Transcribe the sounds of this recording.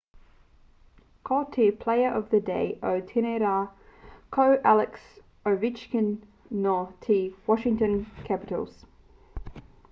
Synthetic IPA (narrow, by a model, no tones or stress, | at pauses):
kʰɔːˑtʰipʰl̥eɪəɹʔəvðədeɪʔəʊtʰɛnɛɾa | kʰəʊʔælɪks | əʊvɪt͡ʃkə̃nː | ɔtʰiːwɒʃɪ̃ŋtə̃nkʰæpɪtə̰lˠz̥